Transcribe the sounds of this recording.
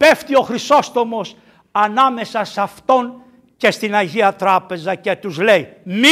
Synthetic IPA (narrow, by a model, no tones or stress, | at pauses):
pe̞ft̪io̞xɾiso̞st̪o̞mo̞s | ɐnɐme̞sɐsɐft̪o̞n | ce̞st̪inɐʝiɐt̪ɾɐpe̞zɐce̞t̪uzle̞jmi